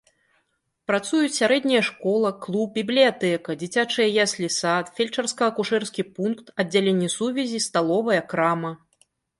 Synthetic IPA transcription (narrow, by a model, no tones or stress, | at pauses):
pɾat̪sujut͡sʲsʲaɾɛd̪ʲnʲɐjɐʂkɔlˠɐklˠup̚bʲiblʲijat̪ɛkɐd͡zʲit͡sʲat͡ʂɨjɐjasʲlʲisat̪fʲelʲt͡ʂɐrskɐɐkuʂɛrskʲipunkt̪ɐd͡zʲːalʲenʲːɛsuvʲɛzʲist̪alˠɔvɐjɐkɾamɐ